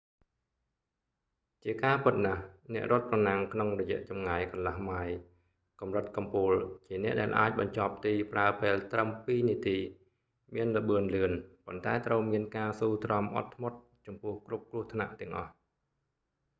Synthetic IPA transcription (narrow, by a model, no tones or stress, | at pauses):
t͡ɕiəkaːpɨt̪̚nahnɛ̆əʔrŏət̪̚prɑnaŋkʰnoŋrɔjɛ̆əʔt͡ɕɑmŋajkɑnlahmaj | kɑmrət̪̚kɑmpuːlt͡ɕiənɛ̆əʔɗaɛlʔaːc̚ɓɑɲt͡ɕɑp̚t̪iːpraəpeːlt̪rəmpiːniət̪iː | miənləɓɨənlɨənpont̪aɛt̪rəwmiənkaːsuːt̪rɑmʔɑ̰t̪ʰːmot̪̚ | t͡ɕɑmpʊ̆əhkrup̚krʊ̆əht̪ʰna̰ʔt̪ɛ̆əŋʔɑ̰h